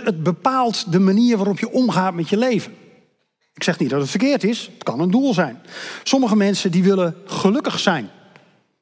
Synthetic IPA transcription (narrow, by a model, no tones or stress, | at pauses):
ət̚bəpaːlˠtdəmaniərʋaːɾɔpjəʔɔmχaːtmɛtjəleːvən | ɪksɛxnit̚dɔtətfərkɪərtɪsətkɑnənduəlˠzɛjnsɔməɣəmɛnsəndiʋɪləχəlɵkəxsɛjn